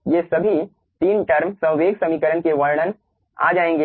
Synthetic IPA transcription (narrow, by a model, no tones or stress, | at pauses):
jeːsɐbʱi | t̪iːnʈɐɾmsɐ̃ɦʋeːɡsɐmiːkəɾənkeʋɐɾɽ̃ən | a̰ːd͡ʒaːẽːŋɡeː